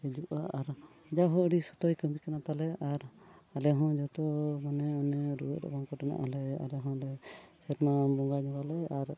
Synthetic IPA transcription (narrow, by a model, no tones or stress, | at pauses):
ɛd͡ʒuʔaʔaɾ | d͡ʒaɦɔɽisɔt̪ɔjkəmbikanat̪alɛaɾalɛɦɔ̃d͡ʒɔt̪ɔmanɛɔnɛɾṵə̰t̪̚ɔ̰bankɔʈɛna̰ʔɦɔlɛa̰lɛɦɔ̃lɛsɛɾmabɔŋɡad͡ʒɔ̃ɡalɛaɾ